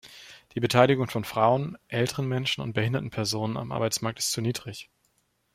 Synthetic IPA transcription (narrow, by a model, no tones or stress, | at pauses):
d̥iːbətʰaɪlɪɡʊŋfɔnfʁ̥aʊənʔɛltəʁənmɛnʃn̩ʊ̰nt̚b̥əhɪndɐtn̩pʰɛɐzoːnəna̰mʔa̰ɐbaɪt͡smaːɐk̚tɪstt͡suniːdʁɪç